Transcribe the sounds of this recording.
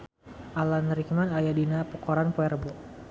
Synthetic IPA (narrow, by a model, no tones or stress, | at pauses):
ʔalanɾikmanajadinapɔkɔɾanpɔɛrbɔ